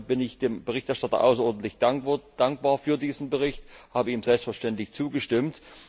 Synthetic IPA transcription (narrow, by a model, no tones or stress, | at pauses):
b̥ɪnɪçd̥eːmbəʁɪçtɛɐʃtatɐ̰ʔa̰ʊsɐʔɔɐdn̩tlɪçd̥ad̥aŋk̚b̥aːɐfyːɐdiːzn̩bəʁɪçthaːbəiːmzɛlpstfɛɐʃtɛntlɪçt͡suːɡəʃtɪmt